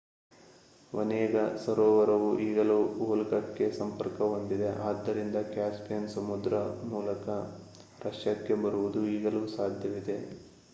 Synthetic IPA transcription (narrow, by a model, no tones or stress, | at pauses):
ʋɐnɛːɡɐsɐɾoːʋɐɾɐʋuʔiːɡɐluːoːlɡɐʈkːe̞sɐmpɐɾkɐond̪id̪e̞ʔaːd̪ːɐɾind̪ɐkjaːspjɐnsɐmud̪ɾɐmuːlɐkɐ | ɾɐʂjɐkːe̞bɐɾuʋud̪uiːɡɐluːsaːd̪ʱjɐʋid̪e̞